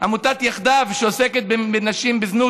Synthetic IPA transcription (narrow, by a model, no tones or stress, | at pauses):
amut̪at̪jaχd̪avʃeoseket̪̚bebenaʃimbeznu